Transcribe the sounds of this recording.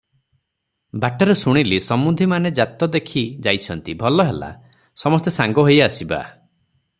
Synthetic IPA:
baʈɔɾesuɽ̃ilisɔmud̪ʱimaned͡ʒat̪ɔd̪ekʰid͡ʒajt͡ʃʰɔnt̪ibʱɔlɔɦela̰ | sɔmɔst̪esaŋɡɔɦojasiba̰

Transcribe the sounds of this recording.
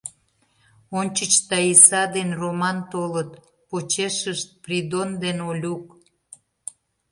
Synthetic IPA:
onʲt͡ɕət͡ɕt̪ɑisɑd̪enromɑnt̪olət̪ | pot͡ɕeʃəʃt̪̚prid̪ond̪enolʲuk

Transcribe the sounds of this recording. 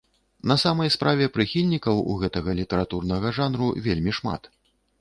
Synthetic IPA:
nɐsamɐjspɾʔavʲɛpɾɨxʲilʲnʲikɐwṵɣɛt̪ɐɣɐlʲit̪ɐɾat̪urnɐɣɐʐanɾṵvʲelʲmʲiʂma̰t̪

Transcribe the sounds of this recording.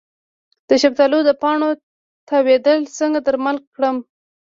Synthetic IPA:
d̪̥əʃab̚t̪alod̪əpɑɳo | t̪ʰawed̪əlsəŋɡad̪əɾmalkːɽəm

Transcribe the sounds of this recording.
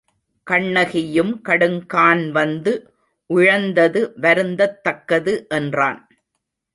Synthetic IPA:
kɐɳːɐɣɪjɯmkɐɽɯŋkaːnʋɐnd̪ɯ | ʔʊɻɐnd̪ɐðɯʋɐɾɯnd̪ɐt̪ːɐkːɐðɯʔɛndra̰ːn

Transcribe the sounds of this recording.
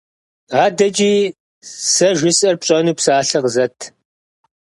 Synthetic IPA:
aːdɐd͡ʒʼiː | sɐʒʷɪsʼɐrpɕʼɐnuːpsaːɬɐqzɐtʰ

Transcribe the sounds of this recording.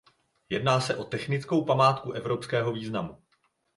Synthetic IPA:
jɛdnaːsɛʔo̞t̪ɛxnɪt͡sko̞wpamaːt̪kuʔɛvɾo̞pskɛːɦo̞viːznamu

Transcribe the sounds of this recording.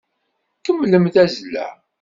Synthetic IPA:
kəmːləmθæzlːæ̰ʕ

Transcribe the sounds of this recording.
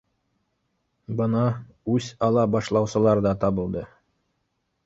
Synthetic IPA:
bɤ̆nɑ | ʉsɑlˠɑbɑʃlˠɑwsɤ̆lˠɑɾd̪ɑt̪ɑbɤ̆lˠd̪ɤ

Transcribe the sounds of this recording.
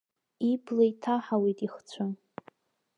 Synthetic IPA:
iblajtʰaħawejtʼiχt͡sʷʰʊ

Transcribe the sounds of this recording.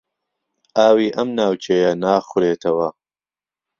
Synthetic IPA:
ʔaːwiːʔɐmnaːwt͡ʃʰejɐnaːxʊɾeːt̪ʰɐwɐ

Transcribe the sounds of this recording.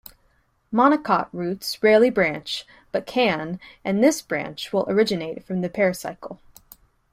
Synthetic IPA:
mɑñəkʰɑʔ̚ɹʉtsɹɛɹlˠibɹæ̃nt͡ʃ | b̥ʌt̚kʰɨ̃nʔɨ̃nðɪsb̥ɹæ̰̃nt͡ʃwəlˠʔə˞ɪd͡ʒɨneɪtfɹʌ̃mðɨpʰɛɹɨsa̰ɪkʰl̩ˠ

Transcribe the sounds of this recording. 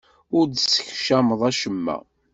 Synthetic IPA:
ʊɾd̪sə̥çʃæməðˤæʃəmːæ̰

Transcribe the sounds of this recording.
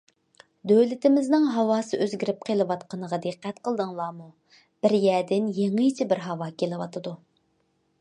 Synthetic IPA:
d̪øwlɪt̪ʰɪmɪznɪŋɦɑwɑːsɨʔøzɡʲiɾɪp̚qʰelˠɨwɑt̪qʰɑnəʁɑd̪eqːæt̪qəlˠd̪ɨŋlˠɑːmu | b̥ɪɾjɛd̪ɪnjeŋɨjt͡ʃʰɪbɪɾɦɑwɑːkʲelˠɪwɑt̪ʰɨd̪u

